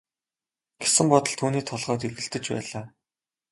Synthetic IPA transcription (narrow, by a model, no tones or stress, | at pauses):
ɡ̥e̥sɘ̆mpɔt̪ɞ̆ɮt̪ʰuːniːt̪ʰɔɮʁ̥ɔːt̪erɣɘ̆ɬt̪ɘ̆t͡ɕpæ̰ːɮaː